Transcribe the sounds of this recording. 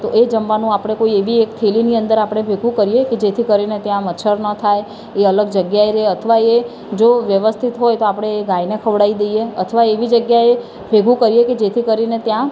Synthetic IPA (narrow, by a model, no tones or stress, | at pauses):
t̪oʔed͡ʒəmʋanũapɽ̃ekoieʋiek̚t̪ʰeliniənd̪əɾapɽ̃ebʱeɡʋũkəɾijeked͡ʒet̪ʰikəɾinet̪jãmət͡ʃʰəɾnət̪ʰaj | eələɡd͡ʒəɡjaeɾəɦeət̪ʰəʋae | d͡ʒoʋjəʋəst̪ʰit̪ɦojt̪oapɽ̃eːɡajnekʰəʋɽaid̪ejeət̪ʰəʋaeʋid͡ʒəɡjae | bʱeɡʋũkəɾijeked͡ʒet̪ʰikəɾinet̪jã